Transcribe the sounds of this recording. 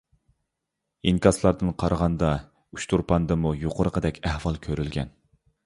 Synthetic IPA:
iŋkʲɑslˠɑɾd̪ɨnqʰɑɾʁɑnd̪ɑ | yʃt̪ʰuɾpʰɑnd̪ɨmujoqʰʊɾəqʰəd̪ɛkʲæhwɑlˠkʲʰøɾylɡʲɛ̰n

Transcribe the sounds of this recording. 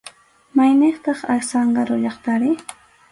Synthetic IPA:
majneχt̪ɑχaksɑɴɢɑɾʊʎɑχt̪aɾɪ

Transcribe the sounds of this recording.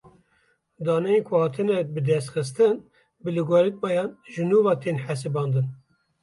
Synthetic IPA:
d̪ɑːnɛjekʷʰʊhɑːt̪ʰɨnɛbɨd̪ɛst̪xɨst̪ɨn | bɨlɨɡaɾɨk̪̚mɑjɑːnʒɨnuːvɑːt̪ʰeːnħæs̬ɨbɑːnd̪ɨn

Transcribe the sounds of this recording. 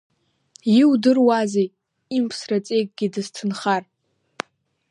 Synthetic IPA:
jiwdɨrwazej | impʰsrat͡sʼe̞jk̚ʼɡʲidɨstʰɨnχar

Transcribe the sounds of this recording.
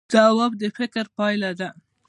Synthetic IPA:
d̪̥ɑwab̚d̪əfɪkɾpɑjlad̪a

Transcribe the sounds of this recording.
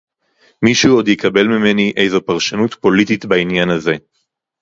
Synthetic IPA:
miʃuo̞d̪jikɐbe̞lmime̞niʔe̞jzo̞paʁʃanutpo̞litit̪bainjanaze̞

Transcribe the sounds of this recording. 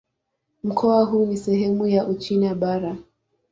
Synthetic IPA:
m̩kʰɔaɦuːnisɛɦɛmujaʔut͡ʃinaɓaɾa

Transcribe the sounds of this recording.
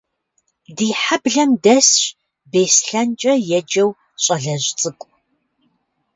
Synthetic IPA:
diːħabɮɐmdɐsɕ | beːsɬɐnt͡ʃʼɐjɛd͡ʒɐw | ɕʼɐɮɐʑt͡sʼɨkʷʼ

